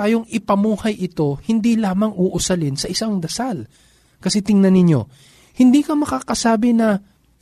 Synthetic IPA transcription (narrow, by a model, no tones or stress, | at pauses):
aːjoŋɪpɐmuːhɐjʔɪt̪o̞hɪnd̪ilaːmɐŋʊʔʊsɐlɪnsɐʔɪsaŋd̪ɐsal | kɐsɛt̪ɪŋnɐnɪɲo̞̰ | hɪnd̪iːkɐmɐkaːkɐsaːbɪnɐ